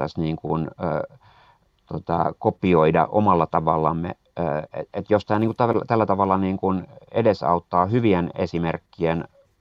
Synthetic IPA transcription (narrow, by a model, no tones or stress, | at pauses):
æ̰sniːŋkunː | t̪ot̪ɑ̰kopːˑioidɑ̰ʔo̰mɑlːɑt̪ɑʋɑlːɑmːḛ | eet̪jost̪ɑːniːŋkut̪æʋt̪ælːæt̪ɑʋɑlːɑniːŋkunḛdesɑ̰ut̪ːɑːhyʋienḛsimerkːien